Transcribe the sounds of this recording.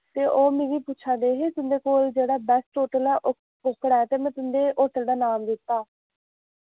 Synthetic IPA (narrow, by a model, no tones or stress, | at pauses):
t̪eːʔoːmẽːʋiːpuːt͡ʃʰãːd̪eːɦeːt̪ʊnd̪eːkoːld͡ʒeːɽaːbɛsʈoːʈəlɛːʔ | ʊkːɽɛːt̪eːmɛ̃ːt̪ʊnd̪eːʔoːʈəld̪aːnaːmd̪ɪt̪ːaː